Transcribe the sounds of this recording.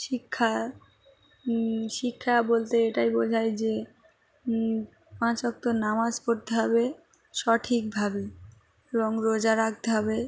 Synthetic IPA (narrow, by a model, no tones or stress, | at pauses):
ʃikʰːa | ʃikʰːabolt̪eeʈajbod͡ʑʱajd͡ʑe | pãt͡ɕɔk̚t̪onamaskoɾt̪eɦɔbe | ʃɔʈʰik̚bʱabe | eboŋɾod͡ʑaɾak̚t̪eɦɔbe